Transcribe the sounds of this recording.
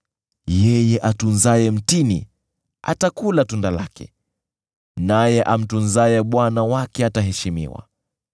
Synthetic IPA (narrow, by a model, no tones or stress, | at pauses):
jɛjɛʔatunzajɛm̩tinḭ | a̰takulatundalakɛ̰ | najɛʔam̩tunzajɛɓwanawakɛataɦɛʃimḭwa̰